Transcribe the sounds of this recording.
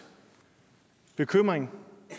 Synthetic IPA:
b̥e̝kʰøm̰ʁeŋ

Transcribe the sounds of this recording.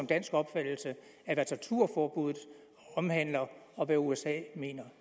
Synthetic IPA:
ɒmd̥æn̰sɡ̥ɒ̽b̥fæd̥l̩sə | æʋæt͡sʰæt͡sʰuɐ̰fɒːb̥uð̰̩ˠ | ɒ̽mhæn̰lɐɒ̽ʋæuesɛ̰ːme̝̰ːnɐ

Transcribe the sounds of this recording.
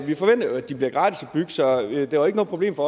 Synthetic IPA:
ʋifɒ̽ʋen̰d̥ɐoæd̥ib̥liɐɡ̥ʁɑ̈ːd̥ʰisɒb̥yɡ̥ə̥sɒ̽d̥eʋɑe̝ɡ̥noːð̩pʰʁoble̝̰ːmfɒ

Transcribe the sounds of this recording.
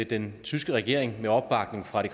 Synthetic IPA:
ed̥ent͡sʰysɡ̥əʁɛɡ̥e̝ɐ̰e̝ŋmeɒ̽b̥ːɑ̈ɡ̥ne̝ŋfʁɑ̈d̥e̝̥

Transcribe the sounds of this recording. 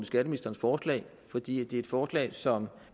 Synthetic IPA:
nəsɡ̥æɾəminisd̥ɐnsfɒːslɛ̰ɪ | fɒ̽d̥ḭːæd̥e̝æɐed̥fɒːslɛ̰ːɪsɒ̽m

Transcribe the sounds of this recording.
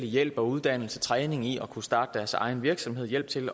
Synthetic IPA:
lijel̰b̥ɒ̽uð̞ˠd̥æn̰l̩sət͡sʰʁɛːne̝ŋiɒ̽kʰusd̥ɑ̈ːd̥əd̥æɐsɑ̈ɪn̩ʋiɐɡ̥sɒ̽mɦe̝ð̞̰ˠjel̰b̥̚t͡sʰe̝l

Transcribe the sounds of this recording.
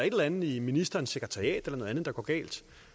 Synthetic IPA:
ɐe̝d̥elænð̩ˠiminisd̥ɐːnse̝ɡ̥ʁət͡sʰɑ̈ʁiɛ̰ːd̥elɐno̽ːðˠænð̩̥ˠɑ̈ɡ̥ɒ̰ːɡ̥ɛ̰ːld̥

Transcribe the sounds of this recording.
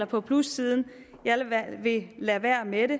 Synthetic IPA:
lɐpʰɒ̽pʰlusːiːð̞ˠn̩ | jɑʋe̝læʋæɐ̰meɾe̝

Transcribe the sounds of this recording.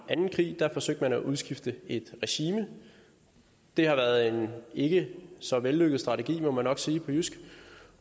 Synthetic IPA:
ʔænn̩kʰʁḭːd̥æfɒ̽sø̰ɡ̥d̥mænæʔuð̞ˠsɡ̥ifd̥əe̝d̥ʁɛɕiːmə | d̥e̝hɑ̈ʋæɐð̩ˠe̝ne̝ɡ̥əsɒ̽ʋelːøɡ̥əð̩ˠsd̥ʁɑ̈t͡sʰeɡ̥ḭːmɒ̽mænːɒ̽ɡ̥siːpʰɒ̽jusɡ̥

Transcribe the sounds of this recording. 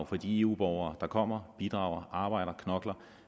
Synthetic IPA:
ʊfɒd̥ie̝ːṵːb̥ɒʊɐːd̥ɑ̈kʰɒ̽m̰ɐb̥id̥ʁɑ̈ʊɐʔɑ̈ːb̥ɑ̈ɪ̰ɾ̥ɐkʰnɒ̽ɡ̥lɐ

